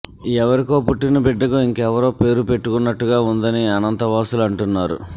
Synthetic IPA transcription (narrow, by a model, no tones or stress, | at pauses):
ɛʋɐɾiko̞ːpuʈːinupɛɖːɐɡoiŋkɛʋɐɾo̞ːpe̞ːɾupe̞ʈːukunːɐʈːuɡaːund̪ɐniɐnɐnt̪ɐʋaːsulɐɳʈunːaːɾṵ